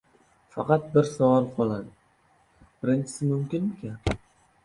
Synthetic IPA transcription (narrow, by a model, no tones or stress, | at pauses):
fɑqɑt̪̚bɪɾsavɑɾˠqʰɒlˠad̪ | b̥ɪɾɪnt͡ʃʰɪ̥sɪmʊmkʲɪnɪkʲan